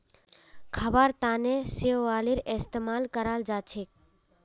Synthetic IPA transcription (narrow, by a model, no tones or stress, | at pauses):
kʰɐbaɾt̪aːnesioaːliɾest̪emaːlkəɾaːld͡ʒaːt͡ʃʰik̚